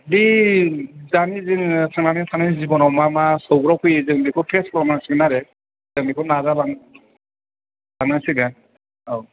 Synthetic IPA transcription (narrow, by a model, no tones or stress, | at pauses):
bi | zanizinsʰaŋnanitʰanajzibɔnɔwmamasɔwɡɾɔkʰujzɯŋbikʰɔpʰɛskɔlɔmansiɡnaɾɛ | zɯŋbikʰɔnazala | lanasiɡa | aw